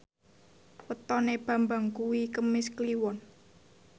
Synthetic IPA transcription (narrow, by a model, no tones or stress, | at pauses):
wət̪ɔneb̥ä̤mbaŋkuwikəmɪskliwɔn